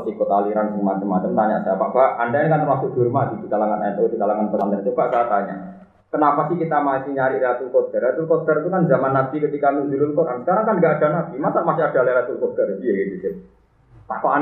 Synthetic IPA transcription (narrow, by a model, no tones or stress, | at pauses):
t̪ikot̪aliɾanbuŋmat͡ʃəmat͡ʃəmt̪aɲa̰ʔsapa̰ʔb̥aandajaŋkant̪ərmasʊʔ̚ɡ̥urmadid̥̪ikalaŋanʔat̪od̪ikalaŋanpəand̪əŋt͡ʃobaʔkaat̪aɲa̰ʔ | kənapasɪhkit̪amasiɲaɾiʔɾasulkot̪ərat̪ulkot̪ərt̪ukanzamanːasikət̪ikanud͡ʒuɾʊlkoɾʔanskaɾaŋkanɡaʔad̥a̤nasimasaʔmasɪad̥a̤laɾat̪ulkod̪ərd̪iaɡit̪usɪ | pa̰koʔa